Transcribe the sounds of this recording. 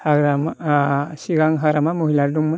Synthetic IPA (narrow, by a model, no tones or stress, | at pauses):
haɡɾam | siɡaŋɦaɡɾamamoɦiladuŋmə